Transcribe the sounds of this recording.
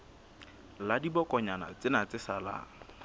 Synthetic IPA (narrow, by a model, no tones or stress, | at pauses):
ladibɔkɔɲana̰t͡sɪnat͡sɪsala̰